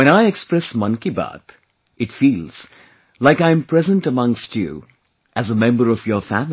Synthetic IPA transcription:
wɛ̃ñaɪɛkspɹɛsmʌ̃nkiba̰t̪ | ɨtfiːlz̥ | laɪkãɪ̃mpʰɹ̥ɛzə̃ntəmʌ̃ŋstʰjṵ | ʔæzəmɛ̃mbə˞ʌvjə˞fæm

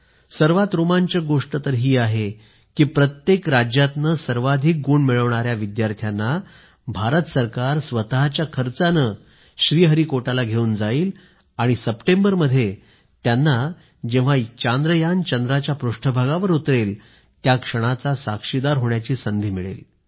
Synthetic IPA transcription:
səɾʋat̪ɾomaɲt͡ɕəɡoʂʈət̪əɾɦiːaɦe | kiːpɾət̪jekɾad͡ʑjat̪nəsəɾʋad̪ʱiːk̚ɡuːɳmiɭəʋɳaɾjaʋid̪jaɾt̪ʰjanːa | bʱaɾət̪əsəɾkaɾsʋət̪ɦat͡ɕjakʰəɾt͡sanə | ɕɾiːɦəɾiːkoʈalaɡʱeuːnd͡zaiːl | aɽ̃isəpʈẽmbəɾməd̪ʱːje | t̪janːa | d͡ʑeʋ̤at͡ɕand̪ɾəjant͡ɕənd̪ɾat͡ɕjapɾuʂʈʰəbʱaɡaʋəɾut̪ɾel | t̪jakʂəɽ̃at͡sasakʂid̪aɾɦoɳjat͡ɕiːsənd̪ʱiːmiɭḛl

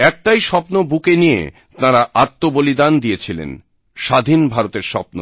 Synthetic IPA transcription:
ɛk̚ʈajʃɔpnobukenijḛ | t̪naɾaʔat̪ːobolid̪and̪iet͡ɕʰilḛn | ʃad̪ʱinbʱaɾot̪eɾʃɔpno

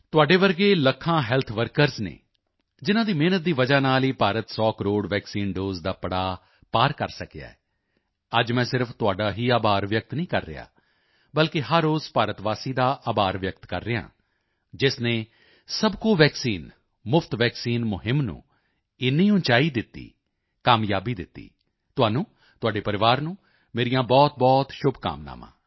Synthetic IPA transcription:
t̪ʊaːɖeːʋəɾɡeːləkʰãːɦɛːlt̪ʰʋəɾkəɾznḛː | d͡ʒɪnãːd̪iːmeːnət̪̚d̪iːʋəd͡ʒaːnaːliːpaːɾət̪sɔːkəɾoːɽʋɛːksiːnɖoːzd̪aːpəɽaː | paːɾkəɾsəkja̰ːɛ̰ː | əd͡ʒmɛ̃ːsɪɾpʰt̪ʊaːɖaːɦiːaːbaːɾʋjək̚t̪nĩːkə̰ɾːɪ̰ja̰ː | bəlkɪɦəɾoːzpaːɾət̪ʋaːsiːd̪aːʔaːbaːɾʋjək̚t̪kə̰ɾːɪjã̰ː | d͡ʒɪsneː | səbkoːʋɛːksiːn | mʊpʰt̪ʋɛːksiːnmʊɦɪmnṵ̃ː | ɪnːĩːʊ̃nt͡ʃaːiːd̪ɪt̪ːḭː | kaːmjaːbiːd̪ɪt̪ːḭː | t̪ʊaːnũː | t̪ʊaːɖeːpəɾɪʋaːɾnũː | meːɾijãːbɔːt̪̚bɔːt̪ʃʊbʱka̰ːmna̰ːmã̰ː

